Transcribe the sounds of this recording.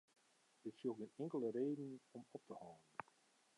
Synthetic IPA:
dɪtsjoɡɪnɪŋkəlˠəreːdn̩ɔmɔp̚təhɔwəən

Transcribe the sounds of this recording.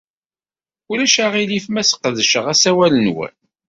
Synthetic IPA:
ulæʃaʁilifmæsə̥qːðəʃəʁæsæwælənwæ̰n

